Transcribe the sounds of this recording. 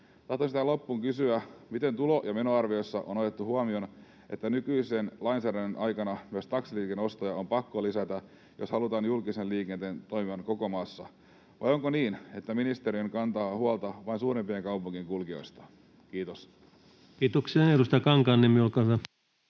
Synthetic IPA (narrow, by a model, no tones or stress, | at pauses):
t̪ɑht̪onsit̪ælopːuːŋkysyæmit̪e̞nt̪ulo̞jɑme̞no̞ɑrʋio̞sːɑʔonot̪e̞t̪ːuhuɑmio̞n | ʔet̪ːænykyisenlɑinsæːɾænːenʔɑjkɑnɑmyøst̪ɑksiliːkeno̞st̪ojɑompɑkːolisæt̪æ | joshɑlut̪ɑːnjulkisenliːkent̪ent̪oimiʋɑnko̞ko̞mɑːsːɑ | ʋɑ̰jo̞ŋkoniːne̞t̪ːæminist̪eɾiøŋkɑnt̪ɑːhuɑlt̪ɑʋɑinsuːɾempieŋkɑupuŋːiŋkulkio̞̰jst̪ɑ̥ | kiːt̪os | kiːt̪oksiɑnedust̪ɑkɑŋkɑnːemiulkɑɑ